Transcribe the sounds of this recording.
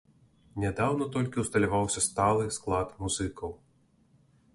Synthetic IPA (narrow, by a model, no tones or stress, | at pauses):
nʲɛd̪awnɐt̪ɔlʲkʲiwst̪ɐlʲavawsʲɐst̪alˠɨsklˠat̪muzɨkɐw